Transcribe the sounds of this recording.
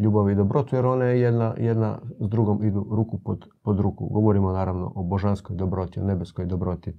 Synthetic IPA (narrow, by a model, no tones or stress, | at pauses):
ʎuːbaʋiid̪obɾo̞t̪ujeɾo̞najejed̪najed̪na̰zd̪ɾuɡomid̪uɾuːkupod̪ | pod̪ɾuːkṵɡo̞ʋoɾimonaːɾaʋno̞̰ʔoboʒanskojd̪obɾo̞t̪io̰ne̞beskojd̪obɾo̞t̪i